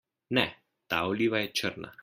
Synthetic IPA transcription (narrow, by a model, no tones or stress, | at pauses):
nɛ | t̪aːoliːʋajɛt͡ʃəɾna̰